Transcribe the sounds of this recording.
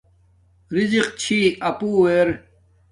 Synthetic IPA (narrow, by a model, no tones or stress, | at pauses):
ɾiziqt͡ɕʰiːɐpuːweɾ